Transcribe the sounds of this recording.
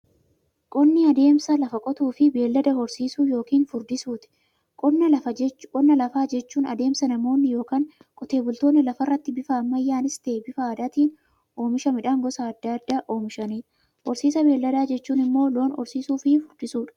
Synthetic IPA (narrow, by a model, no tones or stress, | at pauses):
kʼɔnːɪɐd̪e̞ːmsɐlɐfɐkʼɔt̪uːfɪbe̞ːlːɐd̪ɐhɔɾsiːsuːjo̞ːkiːnfʊɾd̪ɪsuːt̪ɪ̥ | kʼɔnːɐlɐfɐd͡ʒkʼɔnːɐlɐfaːd͡ʒɛt͡ʃːuːnɐd̪e̞ːmsɐnɐmo̞ːnːɪjo̞ːkaːŋkʼɔt̪e̞ːbʊlt̪oːnːɪlɐfɐrːɐt̪ːɪbɪfaːmːɐjːaːnɪst̪eːbɪfaːd̪aːt̪iːn | ʔo̞ːmɪʃɐmɪᶑaːŋɡɔsaːd̪ːaɐd̪ːaːʔo̞ːmɪʃɐniːᶑɐ | hɔɾsiːsɐbe̞ːlːɐd̪aːd͡ʒɛt͡ʃːuːnɪmːoːlo̞ːnɔ̰ɾsiːsuːfɪfʊɾd̪ɪsuːᶑɐ̥